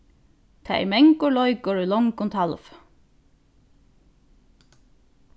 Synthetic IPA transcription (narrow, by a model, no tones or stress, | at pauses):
t̪ʰa̰ːɛ̰mɛŋkʊlɔjkʊɹʏlɔŋkʊnt̪ʰalf